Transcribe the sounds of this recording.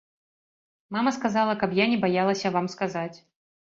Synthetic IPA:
mamɐskazalˠɐkɐpjanʲɛbajalˠɐsʲɐvamskazat͡sʲ

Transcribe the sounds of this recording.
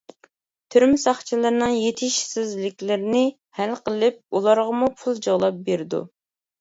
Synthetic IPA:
t̪ʰyɾmysɑχt͡ʃʰilˠɨɾnɨŋjet̪ʰɪʃsɪzlɪkʲlɪɾnɪ | hælqʰəlˠɪp̚ulˠɑɾʁɑmupʰulˠd͡ʒɑʁlˠɑp̚beɾɪd̪ṵ

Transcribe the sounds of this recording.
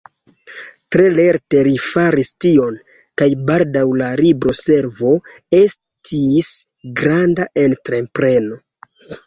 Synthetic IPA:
tɾe̞le̞ɾte̞ɾifaɾistio̞n | kajbaldawlaɾibɾo̞se̞ɾvo̞ | e̞s | tʰis | ɡɾandaʔe̞ntɾe̞mpɾe̞no̞

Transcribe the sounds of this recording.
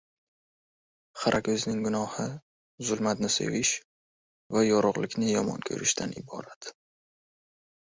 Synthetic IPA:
χaɾʔakʲʰɵznɪŋɡʊnɒhɪ | zʊlˠmat̪nɪsḛvɪʃ | vajɒɾʊʁlɪkʲnɪjɒmɒ̰nkʰɵ̰ɾʔɪʃt̪ʰanɪbɒ̰ɾat̪

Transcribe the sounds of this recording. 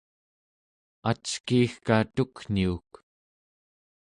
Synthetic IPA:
at͡ʃkiːxkat̪ukn̥iuk

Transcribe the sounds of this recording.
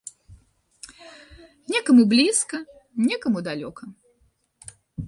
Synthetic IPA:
nʲɛkɐmublʲiskɐnʲɛkɐmud̪alʲɔkɐ

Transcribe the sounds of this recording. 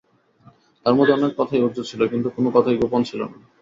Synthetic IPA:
t̪aɾmod̪ʱeɔnekːɔt̪ʰajod͡ʑot͡ɕʰilokint̪ukonokɔt̪ʰajɡopont͡ɕʰilo̰na

